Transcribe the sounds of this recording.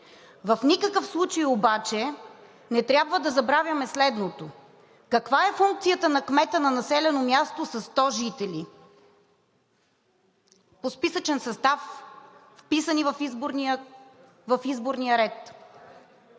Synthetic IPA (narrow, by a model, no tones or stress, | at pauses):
vɐfnikəkəfslˠut͡ʃəjobat͡ʃɛ | nɛt̪ɾʲjabvəd̪ɐzɐbɾavʲjɐmɛslɛd̪not̪o | kɐkvaɛfuŋk̚t̪sijət̪ənɐkmɛt̪ənɐnɐsɛlɛnomʲjast̪osɐst̪ɔʒit̪ɛli | pospisət͡ʃɛnsɐst̪afː | pisənivəfizboɾni | vɐfizboɾnijəɾɛt̪